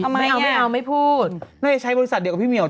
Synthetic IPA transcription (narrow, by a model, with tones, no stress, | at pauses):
a˧wpʰːka˧wma˥˩jpʰuː˥˩t̪̚na˥˩ja˨˩t͡ɕʰa˦˥jbɔ˧ɾi˦˥sa˨˩di˧ka˩pʰi˥˩mi˧˩˦